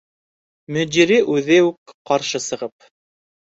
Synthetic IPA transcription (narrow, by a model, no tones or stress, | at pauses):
mɵ̆d͡ʒiɾiʔʉðɘʉkqːɑɾʃɤsɤ̆ʁɤp̚